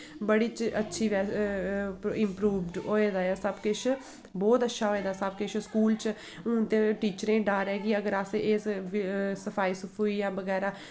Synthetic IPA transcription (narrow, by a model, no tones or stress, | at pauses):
bəɽiːt͡ʃətːʃʰiːʋɛː | ɪmpɾuːʋɖɦoːeːd̪aːjasəbkɪt͡ʃʰ | bɔːt̪ətːʃʰaːɦoːeːd̪aːsəbkɪt͡ʃʰskuːlt͡ʃː | t̪eʈiːt͡ʃəɾẽːɖaːɾɛːɡiəɡəɾaseesʋsəpʰaːiːsəpʰoiːjãːbəɡɛːɾaː